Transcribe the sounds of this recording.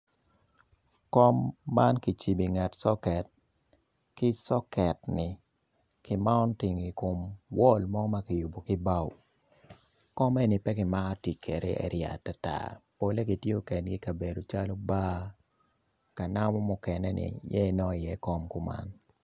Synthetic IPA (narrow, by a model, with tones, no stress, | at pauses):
kɔ˦mːa˦nki˨t͡ʃi˨bi˨ŋa˨tsɔ˦kɛ˨t̚ | kɪ˦sɔ˦kɛ˨tnɪ˨ | kɪ˦ma˦ɔ˦ntɪ˨ŋi˨ko˨mwɔ˦lmɔ˦ɡɔ˦ma˦kɪ˨ju˨bo˨kɪ˦ba˦w | kɔ˦mɛ˦nɪ˨pɛ˦kɪ˨ma˦ka˦ti˨kʰe˨ɾʔḛ˦ḛ˦ɾja̰˨ta˦ta̰˨po˦le˦ki˨tjo˦kɛ˨nɡi˦ka˨be˨do˨t͡ʃa˦lo˦baː˦ | ka˨na˦mɔ˦mʊ˦kɛ˨nɛ˦nɪ̰˨jɛ˦˨nɔ˦ɪ˨jɛ˦kɔ˦mku˦ma̰˦n